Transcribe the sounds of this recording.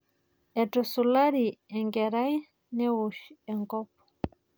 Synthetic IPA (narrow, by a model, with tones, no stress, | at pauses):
ɛ˨tɔ˨su˨la˦ɾi˨ɛ˨ŋɡɛ˨ɾa˦j | nɛ˦u˨ʃɛ˨ŋkɔ˦pɔ̥